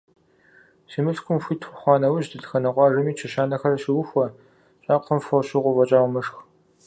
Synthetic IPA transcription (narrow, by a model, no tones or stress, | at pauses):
ʃimɨɬkʷʊmxʷiːtʰxʷʊχʷɑːnɐwɪʒʑdɨɬxɐnɐqʷɑːrɨmiːt͡ʃʰɐɕaːnɐxɐrɐɕɪwʊxʷɐ | ɕʼaːqʷʰəmfʷɔɕɪʁʷɔvʷɐt͡ʃʼaːwmɨʂx